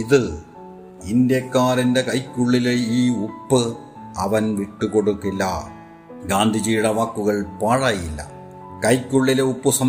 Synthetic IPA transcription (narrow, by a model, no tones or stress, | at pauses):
iðɨ | ind̪jɐkːaːrinde̞kɐjkʲːuɭːileiːupːɨ | ɐʋɐnʋiʈːukoɽukːilːɐ | ɡaːnd̪ʱid͡ʑiːjuɽɐʋaːkːuɣɐɭpaːɻaːjilːɐ̰ | kɐjkʲːuɭːileupːusɐm